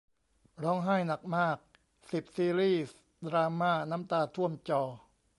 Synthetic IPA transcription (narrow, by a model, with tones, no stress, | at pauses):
ɾɔː˦˥ŋɦaː˥˩jna˨˩k̚maː˥˩k̚ | si˨˩p̚siː˧ɾiː˥˩s | d̪ɾaː˧maː˥˩na˦˥mt̪aː˧t̪ʰu˥˩əmt͡ɕɔː˧˩